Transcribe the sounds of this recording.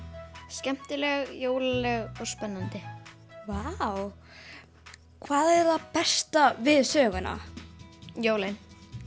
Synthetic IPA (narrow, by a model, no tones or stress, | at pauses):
scɛm̥t̪ɪlɛɣjoːwlalɛɣɔɣspɛnːant̪ɪ | vaw | kʰvaːðɛɾ̥θapɛst̪avɪðsœːɣʏna̰ | joːwlɪn